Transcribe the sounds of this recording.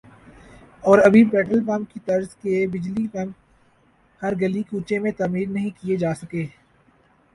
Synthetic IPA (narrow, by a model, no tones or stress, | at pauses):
ɔːɾɐbʱibɛːʈəlpɐmkit̪ɐɾzkebɪd͡ʒlipɐm | hɐɾɡɐlikuːt͡ʃemẽt̪amiːɾnɐɦĩkied͡ʒaːsɐkeː